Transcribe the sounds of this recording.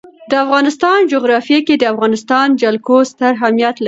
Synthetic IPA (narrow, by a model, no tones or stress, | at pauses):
d̪əafɣɑnɪst̪ɑnd͡ʒoɣɾɑfjeked̪əafɣɑnɪst̪ɑnd͡ʒalkost̪əɾɦamjat̪lai